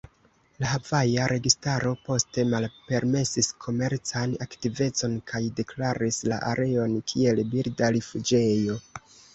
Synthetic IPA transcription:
laɦavajaɾʔe̞ɡistaɾo̞po̞ste̞malpe̞ɾme̞siskʰo̞me̞ɾt͡sanaktive̞t͡so̞nkʰajde̞klaɾislaʔaɾe̞o̞nkʰie̞lbiɾdaɾifud͡ʒe̞jo̞

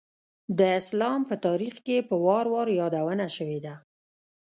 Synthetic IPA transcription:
d̪əɪslɑmpət̪ɑɾixkepəwɑɾwɑɾjɑd̪awənaʃəwed̪a

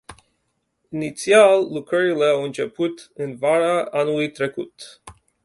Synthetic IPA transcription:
init̪sialːukɾəɾile̞awɨnt͡ʃe̞put̪ɨnvaɾaʔanulujt̪ɾe̞kut̪

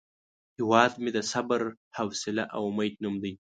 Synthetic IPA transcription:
hɪwɑːd̪med̪əsabaɾ | hawsɪlaʔawmajt̪numd̪aj

